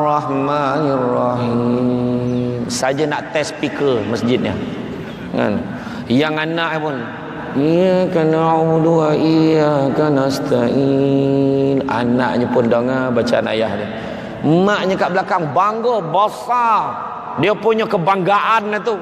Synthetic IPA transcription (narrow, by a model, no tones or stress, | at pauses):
rɔhmanirɔɦi | msad͡ʒanaʔt̪ɛspikəməsd͡ʒɪt̪̚ɲə̰ | ŋa̰n | jaŋanaʔɲapʊn | ijakanaauduaiakanast̪aʔi | la̰na̰ʔɲəpʊndoŋabat͡ʃana̰jaɦdi | maʔɲəkaʔbəlakaŋbaŋɡɔbasal | diəpuɲɔkəbaŋɡaʔanːat̪u